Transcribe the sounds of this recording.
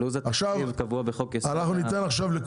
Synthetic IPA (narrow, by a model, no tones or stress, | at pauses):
luzetaχʃavevkavuabeχokeanaχnunit̪enaχʃavlek